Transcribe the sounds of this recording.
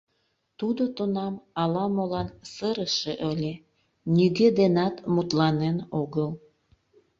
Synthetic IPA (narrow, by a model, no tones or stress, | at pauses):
t̪ud̪ot̪onɑmɑlɑmolɑnsəɾəʃeʔølʲe | niɣed̪enɑt̪mut̪lɑnenoɣəl